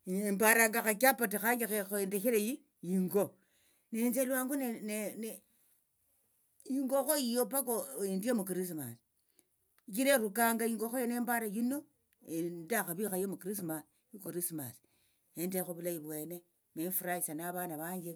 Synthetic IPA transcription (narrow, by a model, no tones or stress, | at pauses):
embaɾaŋɡaxakapatexaŋɡixexendexeɾeji | jiŋɡo | nenzelwaːŋɡunenene | jiŋɡoxojijopakoendijomuk̬iɾis̬ma̰s | ikiɾeɾukaŋɡajiŋɡoxojoneːmbaɾajino | endaxaβixajomukiɾis̬mas | jukɾisma̰s | endexoβulajiβwene | mefuɾaisanaβanaβaɲɡe